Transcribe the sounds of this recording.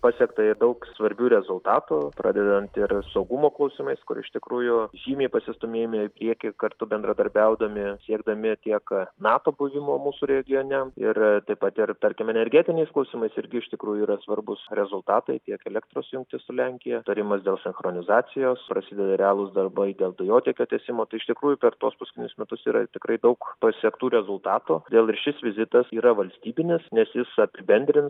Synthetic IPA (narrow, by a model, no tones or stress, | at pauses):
pɑːsʲiɛkt̪ɐɪrd̪ɐʊksʋɐɾʲbʲuːɾʲɛzʊlˠt̪ɑːt̪uːpɾʔɑ̰ːd̪ʲɛd̪ɐnt̪ɪrsɐʊɡʊmoːklˠɐʊsʲimɐɪskʊ̰ɾɪ̰ʃt̪ʲɪkɾuːjʊʒʲiːmʲeːpɐsʲɪst̪ʊmʲeːjɪmʲɪɪpʲɾʲiɛkʲɪkɐrt̪ʊbʲɛnd̪ɾɐd̪ɐɾʲbʲɛʊd̪ɐmʲɪsʲiɛɡd̪ɐmʲɪt̪ʲiɛknɑːt̪oːbʊʋʲɪmoːmuːsʊɾʲɛɡʲɪjoːnʲɛɪɾt̪ɐɪpɐt̪ɪrt̪ɐɾʲkʲɪmɛnʲɛɾʲɡʲɛt̪ʲɪnʲɛɪsklˠɐʊsʲiːmɐɪsɪɾʲɡʲɪɪʃt̪ʲɪkɾuːjʊiːɾɐsʋɐrbʊsɾʲɛzʊlˠt̪ɑːt̪ɐɪt̪ʲiɛkɛlʲɛk̚t̪ɾoːsjʊŋk̚t̪ʲɪsʊlʲɛŋʲkʲɪjɛt̪ɐɾʲɪmɐsd̪ʲeːlˠsʲɪnxɾoːnʲɪzɑːt͡s̪ʲɪjoːspɾɐsʲɪd̪ʲɛd̪ɐɾʲɛɑːlˠʊsd̪ɐrbɐɪd̪ʲeːlˠd̪ɐjoːt̪ʲeːkʲoːt̪ʲɛːsʲɪmoːt̪ɐɪɪʃt̪ʲɪkɾuːjʊpʲɛrt̪uɔspɐsʲkʲɪnʲʊsmʲɛt̪ʊsiːɾɐ̰t̪ʲɪkɾɐɪd̪ɐʊkpɐsʲiɛkt̪uːɾʲɛzʊlˠt̪ɑːt̪oːd̪ʲeːlˠɪrʃʲɪsʋʲɪzʲɪt̪ɐsiːɾɐʋɐlʲsʲt̪ʲiːbʲɪnʲɪsnʲɛsjɪsɐpʲɪbʲɛnʲd̪ʲɾʲɪns